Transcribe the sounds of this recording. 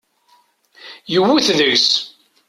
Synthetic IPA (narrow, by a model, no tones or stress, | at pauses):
jəwːuθðəɣs